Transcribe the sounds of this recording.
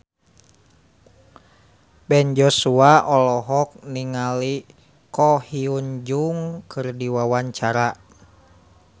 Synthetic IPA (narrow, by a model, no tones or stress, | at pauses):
bɛnd͡ʒɔsuaʔɔlɔɦɔk̚niŋali | kɔhiuɲd͡ʒuŋkʰɨrdiwawaɲt͡ʃaɾa